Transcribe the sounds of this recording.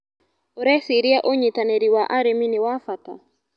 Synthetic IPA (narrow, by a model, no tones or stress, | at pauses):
oɾɛsiɾiaʔoɲitaneɾiwaʔaɾeminiwafata̰